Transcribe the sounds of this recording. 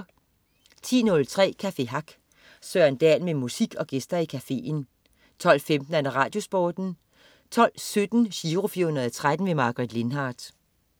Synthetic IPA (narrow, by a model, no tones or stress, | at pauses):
t͡sʰḭːnɔ̽lt͡sʰʁɛ̰ːkʰæfe̝ɦɑ̈ɡ̥ | søɐnd̥ɛ̰ːlmemusiɡ̥ɒ̽ɡ̥esd̥ɐikʰæfe̝̰ːn | t͡sʰɒ̽l̰femd̥n̩ædɐʁɑ̈ːd̥jo̝sb̥ɒːd̥n̩ | t͡sʰɒ̽l̰sød̥n̩ɕiːʁo̝fiɐhunɐðˠt͡sʰʁad̥n̩ʋe̝mɑ̈ɡ̥ʁid̥le̝nɦɑ̈ːd̥